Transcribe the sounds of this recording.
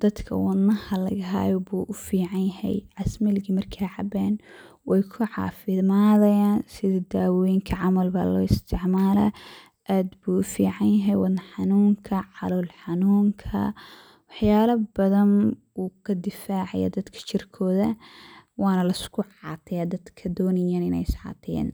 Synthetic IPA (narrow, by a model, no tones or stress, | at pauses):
d̪̥ɐd̪kʰɐ̰wɑd̪nɐhɐlɐ̰ɣɐɦa̰ːjɔbuːʔʊfiːʕɑnjɐhɛ̰jʕɑsmɪlɡimɐrkʰaːʕɑ̰bɛːn | wɛjkʰʊʕɑ̰ːfɪmaːðɐjaːnsɪðɐd̪aːwɔjŋkʰɐʕɑmɐlbaːlɔ̰ːɪst̪ʰɪʕmaːlɐ̰ | ʔaːd̪buːʊfiːʕɑnjɐɦɛjwɑnɐħɑnuːŋkʰɐʕɑlɔlħɑnuːŋkʰɐ̰ | wɑħjaːlɐbɐðɐn | uːkʰɐd̪ɪfaːʕɑ̰jɐ̰d̪ɐd̪kʰɐ̥t͡ʃɪrkʰɔːðɐwɑːnɐlɐɪskʰʊʕɑ̰ːt̪ʰɪjad̪ɐd̪kʰɐd̪ɔːnɐjaːnɪnɛ̰jsʕɑ̰ːt̪ʰɪɛ̰ːn